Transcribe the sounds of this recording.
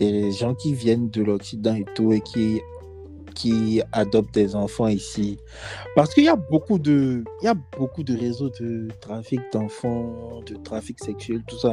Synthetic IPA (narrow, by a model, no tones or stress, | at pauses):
ɛʒɑ̃kʲivjɛnd̪əlɔksid̪ɑ̃et̪uekʲʰi | kʲʰiad̪ɔp̚t̪lɛzɑ̃fɑ̃isi | paʁsə̥kəiljabokud̪əiljabokud̪əʁezod̪ət̪χafik̚d̪ɑ̃fɑ̃d̪ət̪χafiksɛksɥɛlt̪usa